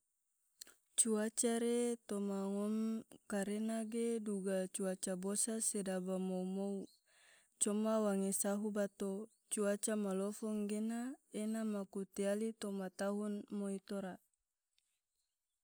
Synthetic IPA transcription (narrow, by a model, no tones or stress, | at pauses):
t͡ʃuat͡ʃaɾet̪omaŋɔmkaɾenaɡeduɡat͡ʃuat͡ʃabosasedabamoumou | t͡ʃɔmawaŋesaɦubat̪o | t͡ʃuat͡ʃamalɔfɔŋɡenaenamakut̪ialit̪ɔmat̪aɦunmoit̪oɾa